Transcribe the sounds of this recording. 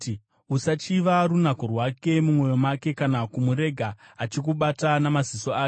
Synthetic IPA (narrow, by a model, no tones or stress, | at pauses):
usat͡ʃiʋarunakorwake̞mumwo̞jo̞make̞kanakumuɾe̞ɡʱaːt͡ʃik̬uɓatanamazisoaː